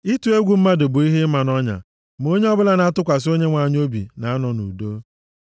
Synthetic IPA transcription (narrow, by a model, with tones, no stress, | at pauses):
i˦tu˦e˦ɡʷu˨m̩˦ma˦dʊ˨bʊ˨i˦ɦɪ˦ma˨nɔ˦ɲa̰˨ | m˨o˦ɲe˦ɔ˦bʊ˦la˦na˦tʊ˦kʷa˨s̬o˦ɲe˦ŋʷa˨ɲ˦o˦bḭ˨na˨a˦nɔ˨nṵ˨do˦